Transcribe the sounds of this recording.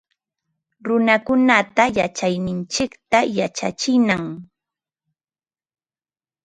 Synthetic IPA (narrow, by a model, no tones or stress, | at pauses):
ɾʊnakʊnat̪ajat͡ʃajnɪnt͡ʃɪkt̪ajat͡ʃa̰t͡ʃɪnaŋ